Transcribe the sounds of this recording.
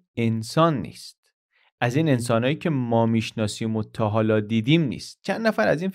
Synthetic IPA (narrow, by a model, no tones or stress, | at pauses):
ensɒːnːḭːst̪ | ʔæziːne̞ns̬ɒːnhɒːjiːcʰe̞mɒːmiːʃnɒːsiːmot̪ʰɒːɦɒːlɒd̪iːd̪iːmnḭːst̪̚t͡ʃʰænd̪ːæfæɾæziːn